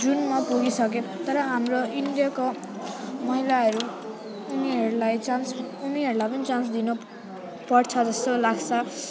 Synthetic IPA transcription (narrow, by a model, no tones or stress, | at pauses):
d͡zunmapuɡisʌket̪ʌɾʌɦamroiɳɖijako | mʌɦilaɦʌɾuː | niɦʌɾulajt͡sansuniɦʌɾulajpʌnit͡sãnsd̪ino | pʌrt͡sʰʌd͡zʌst̪olaɡt͡sʰʌ